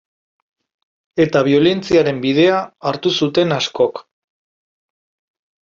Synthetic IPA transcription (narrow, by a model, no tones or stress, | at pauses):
e̞t̪aβ̞io̞le̞nt͡siaɾe̞mbið̞e̞aːɾt̪usut̪e̞nasko̞k